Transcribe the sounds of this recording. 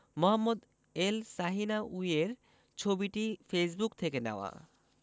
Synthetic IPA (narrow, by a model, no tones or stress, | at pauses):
mɔɦamːod̪ | elsaɦinaʔujeɾ | t͡ɕʰobiʈifesbukt̪ʰekenɛoa̰